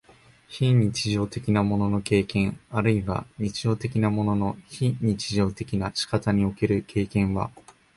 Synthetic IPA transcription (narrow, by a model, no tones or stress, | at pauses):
çiɲ̟it͡ɕiʑo̞ːt̪e̞kʲinamo̞no̞no̞ke̞ːkẽ̞ɰaɾɯ̟iβa̰ɲ̟it͡ɕiʑo̞ːt̪e̞kʲinamo̞no̞no̞çiɲ̟it͡ɕiʑo̞ːt̪e̞kʲinaɕi̥kat̪aɲ̟io̞ke̞ɾɯ̟kʰe̞ːkẽ̞ɰ̃βa̰